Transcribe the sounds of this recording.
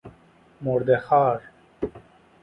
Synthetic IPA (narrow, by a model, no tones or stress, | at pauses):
moɾd̪exaːɾ